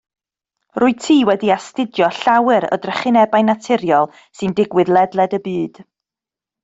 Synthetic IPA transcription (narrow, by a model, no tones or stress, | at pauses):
rʊɨtʰiːwɛdiastɪdjɔɬawɨɾɔ̰drəχɪnɛbajnatʰɪɾjɔlˠ | sɨndɪɡwɨðlˠɛdlˠɛdəbɨːd̥